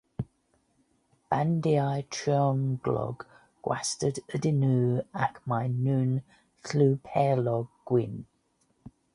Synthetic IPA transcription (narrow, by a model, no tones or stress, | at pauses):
b̥ãndiaɪtʰɹ̥iɔ̃nɡlɒ̰ɡ | ɡ̥wa̰stədədɪnʉːəʔmaɪnʉ̃ːn | flʉːpʰɛːlɒɡɡ̥wɪ̃n